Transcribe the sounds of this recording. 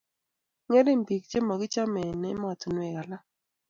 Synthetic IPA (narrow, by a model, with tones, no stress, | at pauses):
ŋe˦le˦mbi˨k̚d͡ʒe˦ma˨ɡɪ˦t͡ʃa˦mɛ˨nɛ˦ma˨t̪o˨nwɛ˨ɣa˨la˦